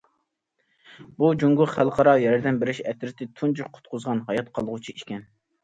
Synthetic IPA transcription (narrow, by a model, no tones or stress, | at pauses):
bud͡ʒuŋɡʊχælˠqʰɑɾɑjɛɾɛɾd̪ɛnbɪɾɪʃɛt̪ɾɪt̪ʰɪt̪ʰund͡ʒuqʰʊ̥t̪̚qʰʊzʁɑnɦɑjɑt̪̚qʰɑlˠʁut͡ʃʰiiʃkʲɛn